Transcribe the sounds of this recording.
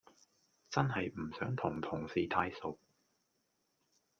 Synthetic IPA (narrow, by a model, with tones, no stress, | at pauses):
t͡sɐ˥nɦɐ˨jm̩˨˩sœː˨˥ŋt̪ʰʊ˨˩ŋt̪ʰʊ˨˩ŋsiː˨˧t̪ʰaː˧jso˨˩w̚